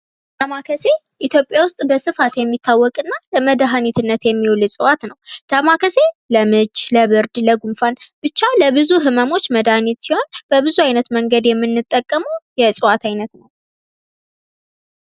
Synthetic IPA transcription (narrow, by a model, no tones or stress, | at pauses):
d̪̥amakʰəse̞ | ʔit̪ʰjo̞pʼjawʊst̪ʼbəsɨfat̪jɛmːit̪ʰːawːɔkʼɨnːaləməd̪aɦanit̪ʰɨnːət̪jɛmːiwlsʼɨwat̪nəwd̪̥amakʰəse̞ləmɨd͡ʒləβɨɾd̪ləɡumfanb̥ɨt͡ʃːaləbɨzuɦɨməmo̞t͡ʃːməd̪ahnit̪siho̞nb̥əbɨzuajnət̪məŋɡəd̪jɛmːɨnːɨt̪ʼːəkʼːəmuwjɛsʼɨwat̪ʰajnət̪nəw